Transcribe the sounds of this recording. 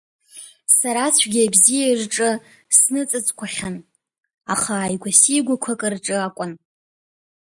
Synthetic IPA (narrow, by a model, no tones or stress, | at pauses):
saɾat͡ɕʷʰɡʲiabzijairʈ͡ʂʼɨ | snɨt͡sʼɨt͡sʼkʷʰaχʲan | aχaːjɡʷasiɡʷakʷʰakʼɨrʈ͡ʂʼɨakʷʼʊn